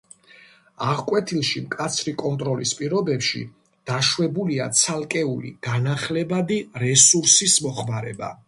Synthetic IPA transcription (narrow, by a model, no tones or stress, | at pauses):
aʁkʼwɛt̪ʰilˠʃimkʼat̪sʰɾikʼɔnt̪ʼɾɔlispʼiɾɔbɛpʃḭ | d̪̥aʃwɛbuliat̪sʰalˠkʼɛulḭɡ̥anaχlɛbad̪iɾɛsuɾsismɔχmaɾɛba̰